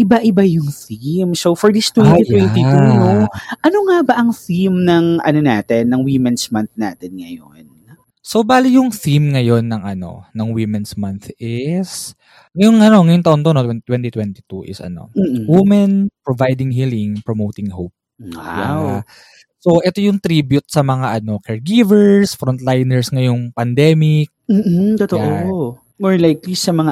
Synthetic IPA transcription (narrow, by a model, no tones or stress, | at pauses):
ʔɪbaʔɪbajʊŋθimsowfɔɹd̪ist̪wɛnit̪wɛnt̪it̪unoʔɐnoŋabɐʔɐŋθimnɐŋʔɐ̰nonaːt̪ɛnːɐŋwimɛnsmɐnθna̰ːt̪ɛnŋɐjo̰n | sobaːlɪjʊŋθimŋɐjo̞nːɐŋʔɐno̞̰nɐŋwimɛnsmɐnθɪs | ŋɐjoŋɐno̞ŋɐjʊŋt̪ɐʔont̪onot̪wɛt̪wɛnt̪it̪wɛnt̪ɪ̥t̪uʔɪ̰sʔɐ̰no̞̰m̩ːwimɐnpɹovajd̪ɪŋɦilɪŋpɹomowt̪ɪŋɦowp̚ | waa̰wa | so̞ʔɛt̪o̞jʊŋt̪ɾiːbjʊt̪̚sɐmɐŋaʔɐno̞kɛɹɡivɛɹsfɾont̪lajnɛɹsŋɐjoŋpɐnd̪ɛːmɪk̚m̩ːt̪ot̪oʔo | mɔɹlajklisɐmɐŋa